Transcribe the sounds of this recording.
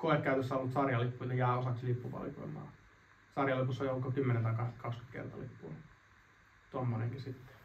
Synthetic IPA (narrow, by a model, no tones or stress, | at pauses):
koekkæyt̪øsːæolːut̪sɑrjɑlipːuit̪ɑjæːosɑt̪ʲːilipːupɑ̰lḭko̰imˑɑ̰ː | sɑrjɑlipusːoiolːukkokymːenent̪ɑikɑhse̥t̪kɑksky̥t̪kḛrt̪ɑ̰lḭpːun | t̪omːoneŋkisit̪ːe̥